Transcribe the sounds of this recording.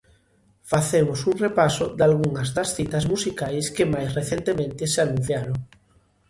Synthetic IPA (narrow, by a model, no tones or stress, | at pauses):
faθemosuŋrepasod̪alɣuŋazðasθit̪azmusikajskemajsreθjent̪emẽnt̪eseanũn̟θjaɾoŋ